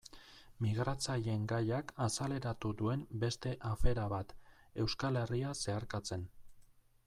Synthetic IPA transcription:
miɣɾat͡saʎe̞ŋɡajakasale̞ɾat̪ud̪ue̞mbe̞st̪e̞ʔafe̞ɾaβat̪e̞wskale̞riase̞aɾkat͡se̞n

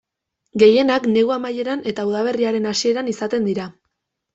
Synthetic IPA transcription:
ɡe̞je̞nakne̞ɣuamaje̞ɾane̞t̪auðaβ̞e̞riaɾe̞nasie̞ɾanisat̪e̞nd̪iɾa

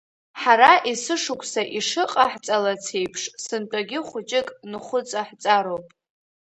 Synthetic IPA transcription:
ħaɾaʔisɨʂʊkʷʰsaʔiʂɨqʼaħt͡sʼalat͡sʰe̞jpʰʂsɨntʼaɡʲɪχʷʊt͡ʃʼɪkʼnɨχʷʊt͡sʼaħt͡sʼaɾowpʼ

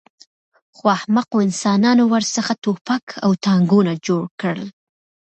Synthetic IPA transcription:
xwahmaqoɪnsɑnɑnowəɾsəxat̪opakʰa̰wt̪ɑŋɡunad͡ʒoɽkəl

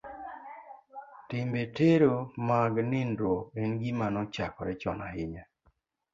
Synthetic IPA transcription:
tɪmbeteɾomaɡnɪndwoenɡimanɔt͡ʃakɔɾɛt͡ʃɔ̰nahɪɲa

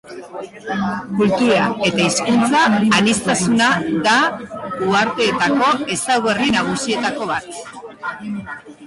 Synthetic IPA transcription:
kult̪uɾae̞t̪aiskunt͡saːnist̪asunaðauaɾt̪e̞ːt̪ako̞e̞sawɣerinaɣ̞usie̞t̪ako̞β̞at̪

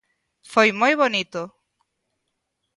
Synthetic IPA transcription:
fojmojβonit̪o

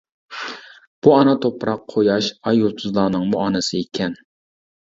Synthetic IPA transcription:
b̥uɑnɑt̪ʰopʰɾɑqʰːojɑʃɑjot̪ʰuzlˠɑːnɨŋmuɑnɨsɨekʲʰɛn

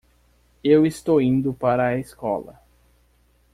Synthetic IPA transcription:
ewɪst̪owĩnd̪ʊpaɾɐeskɔ̰lɐ̰

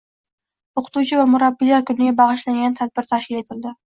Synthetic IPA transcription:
oqʰʊ̥t̪ut͡ʃʰɪvamʊɾabːɪjakʲʰʊnɪɡʲabɑʁɨʃlaŋɡʲant̪ʰad̪̚bɪɾt̪ʰaʃkʲɪle̞t̪ʰɪld̪ɪ

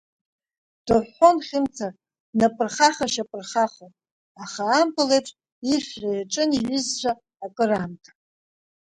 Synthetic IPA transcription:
d̥oħːonχʲɪmt͡sʰarʼ | napʼɨrχaχaʃapʼɨrχaχopʼ | aχaːmpʰʼɨlejpʈ͡ʂʼ | iχʲrʷajaʈ͡ʂʼɨniɥʏzʒʷaː | kʼɨramtʰʼḁ

